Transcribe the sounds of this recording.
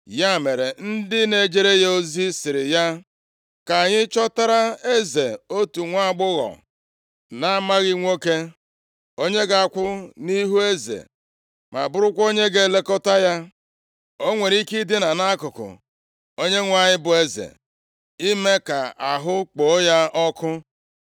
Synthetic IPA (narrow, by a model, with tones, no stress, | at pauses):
ja˦me˨ɾe˨n̩˦dɪ˦ne˨d͡ʒe˦ɾe˦jo˦zi˦sɪ˨ɾɪ˨ja˦ | ka˨ɲɪ˦t͡ʃɔ˦ta˦ɾa˦e˦ze˨o˦tu˨ŋʷa˦˨ɡ͡bʊ˦ɣɔ̰˨ | na˦ma˦ɣi˦ŋʷo˦ke˦ | o˦ɲe˦ɡa˨a˨kʷʊ˦ni˦ɦu˦e˦zḛ˨ | ma̰˨bʊ˦ɾʊ˦kʷo˦ɲe˦ɡe˨le˦kɔ˦ta˦ja˦ | o˦ŋʷe˨ɾi˦ki˦dɪ˦na˨na˦kʊ˨kʊ̰˨ | o˦ɲe˦ŋʷa˨ɲɪ˦bʊ˨e˦zḛ˨ | i˦me˦ka˨a˨ɦʊ˦k͡po˨˦ja˦ɔ˦kʊ˦